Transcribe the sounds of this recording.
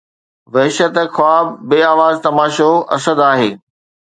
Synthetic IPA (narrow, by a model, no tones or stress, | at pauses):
ʋɐɦɪʃət̪xʊaːb̚beːaːʋaːzt̪ɐmaːʃoɐ̰səd̪aːɦeː